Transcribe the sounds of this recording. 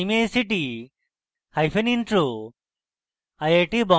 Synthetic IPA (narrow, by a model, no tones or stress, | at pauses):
mejsiʈi | hajpʰeninʈɾu | ajeʈibɔ